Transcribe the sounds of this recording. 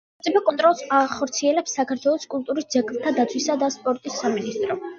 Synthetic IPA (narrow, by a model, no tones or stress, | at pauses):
t̪sʼipʰakʼɔnt̪ʼɾɔlˠsaχɔɾt̪sʰiɛlɛpsːakʰaɾt̪ʰwɛlˠɔskʼulˠt̪ʼuɾisd̪zɛɡlˠt̪ʰad̪at̪sʰwisad̪aspʼɔɾt̪ʼisːaminist̪ʼɾɔ